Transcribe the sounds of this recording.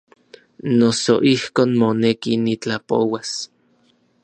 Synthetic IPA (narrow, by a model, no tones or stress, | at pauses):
nosoʔihkoːnmonekinit͡ɬapowas